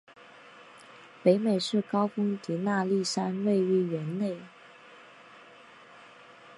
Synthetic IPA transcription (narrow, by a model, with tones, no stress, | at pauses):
pe˧˥ɪme˨˩ɪʂɻ̩˥˩kɑ˥ʊfʊ˥ŋt̪i˧˥na˥˧li˥˩ʂa˥nwe˥˩˧ɪy˥˩ɥɛ˧˥nne˥˩ɪ